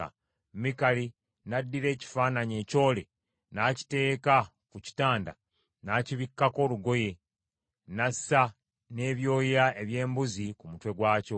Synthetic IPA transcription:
a̰ | mikali | nadːiɾe̞ːci̥faːnaɲe̞ːco̞ːle̞ | naːci̥te̞ːka | kuci̥taːnda̰ | naːciβikːako̞ːluɡo̞je̞ | nasːa | ne̞ːβjo̞ːjiɾae̞βje̞ːmbuzikumutwe̞ɡwaːco̞

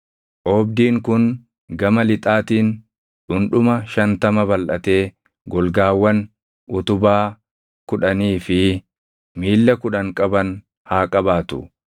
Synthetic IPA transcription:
ʔoːbd̪iːŋkʊn | ɡɐmɐlɪt̪ʼaːt̪iːn | ᶑʊnᶑʊmɐʃɐnt̪ɐmɐbɐlʔɐt̪e̞ː | ɡɔlɡaːwːɐn | ʔʊt̪ʊbaː | kʊᶑɐniːfɪ | miːlːɐkʊᶑɐŋkʼɐbɐn | haːkʼɐbaːt̪ʊ̰

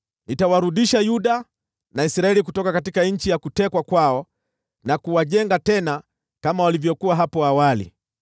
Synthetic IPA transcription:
nitawaɾuɗiʃajuɗa | naisɾaɛlikutɔkakatikaɲ̩t͡ʃijakutɛkwakwaɔ | nakuwaʄɛŋɡatɛna | kamawalivjɔkuwaɦapɔawalḭ

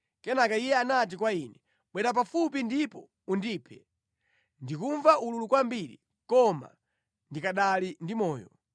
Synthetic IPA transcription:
kɛnakaijɛanat̬ikwainɛ | ɓwɛɾap̬afup̬indipɔ | undiːpʰɛ | ndikuɱvaʔululukwambiɾḭ | kɔma̰ | ndikaɗalindimɔːjɔ̰

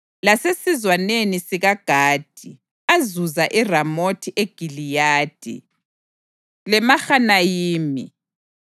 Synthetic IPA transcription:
lasesizwanenisiɣaɡ̥ʱaːd̥ʱi | azuzaʔiramotʰiʔeɡ̥ʱilijaːd̥ʱḭ | lɛmaxanajiːmi

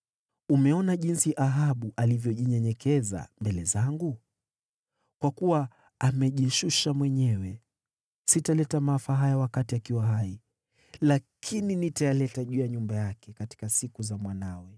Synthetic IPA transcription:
umɛɔnaʄinsiʔaɦaɓuʔalivjɔʄiɲɛɲɛkʰɛza̰mbɛlɛzaŋɡu | kwakuwaː | mɛʄiʃuʃamwɛɲɛwɛ | sitalɛtamafaɦajawakatiakiwaɦai | lakʰininitajalɛtaʄujaɲumbajakɛkati̥kasikuzamwanawɛ

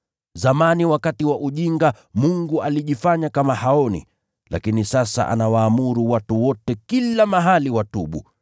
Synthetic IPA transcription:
zamaniwakatiwaʔuʄiŋɡa | muŋɡualiʄifaɲakamahaɔnḭ | la̰kinisasa̰ʔa̰nawaːmuɾuwatuwɔtɛkilamaɦaliwatuɓṵ

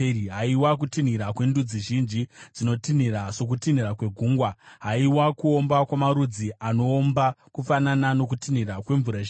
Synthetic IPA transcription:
ɦaiwak̬utin̤iɾakwendud͡ziʒind͡ʒid͡zino̞tin̤iɾaʂo̞k̬utin̤iɾakwe̞ɡʱuːŋɡwaɦaiwakuo̞mbakwamaɾud͡ziʔano̞ːmbakufananano̞k̬utinirakwe̞ɱvuɾa

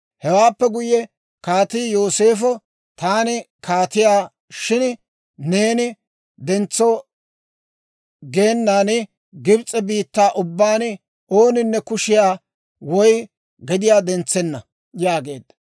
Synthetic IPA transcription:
hɛwaːpːɛɡʊjːɛ | kaːt̪iːjo̞ːseːfɔ | t̪aːnɪ | kʰaːt̪ɪjaː | ʃɪn | ne̞ːnɪ | d̪ɛnt͡sːɔ | ɡeːnːaːnɪ | ɡɪbt͡sʼɛbiːt̪ːaːʔʊbːaːn | o̞ːnɪnːɛkʊʃɪjaː | wɔj | ɡɛd̪ɪjaːd̪ɛnt͡sːɛnːɐ | jaːɡe̞̰ːd̪ːɐ

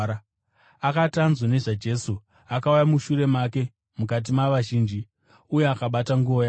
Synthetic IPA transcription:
a | akatanzone̞ʐad͡ʒe̞su | akaujamuʃuɾe̞make̞ | mukat̬imaʋaʒiːnd͡ʒi | uje̞akaɓataŋɡuo̞ja

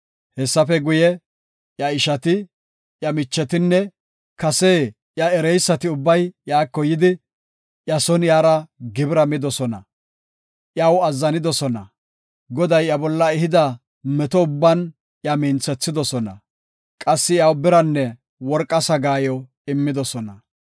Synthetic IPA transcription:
hɛsːɐfɛɡʊjɛ | jɐɪʃɐt̪ɪ | jɐmɪt͡ʃːɛt̪ɪnːɛ | kɐseː | jɐɛɾɛjsːɐt̪ɪʊbːɐjjaːkːɔjɪd̪ɪ | jɐsɔnjaːɾɐɡɪbɾɐmɪd̪ɔsɔnɐ̰ | ʔjɐwɐzːɐnɪd̪ɔsɔnɐ | ɡɔd̪ɐjɐbɔlːɐɛɦɪd̪ɐ | mɛt̪ɔʊbːɐn | jɐmɪnt͡sːɛt͡sːɪd̪ɔsɔnɐ̰ | kʼɐsːɪjɐwbɪɾɐnːɛ | wɔɾkʼːɐsɐɡaːjɔ | ɪmːɪd̪ɔsɔnɐ

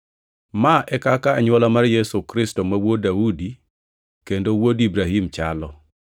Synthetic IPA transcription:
maʔɛkakaːɲwɔlamarjesukɾistomawodaudi | kendowodibɾaɦimt͡ʃalɔ

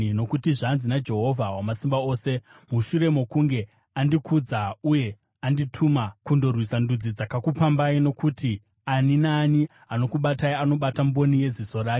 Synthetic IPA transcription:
no̞kutiʐanzinad͡ʒe̞ɦo̞vʱawamasimbao̞ːse̞ | muʃure̞mo̞kuŋɡe̞ | andikʰud͡zauje̞ | anditʰumakundo̞rwisandud͡zid͡zakakupambaino̞kuti | aninaːni | ano̞kuɓataiano̞ɓatambo̞nije̞ziso̞ɾaːk

